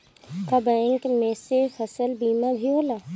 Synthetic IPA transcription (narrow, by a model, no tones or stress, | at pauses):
kabɛ̃ŋkmẽːsefɐsəlbiːmabʱioːlaː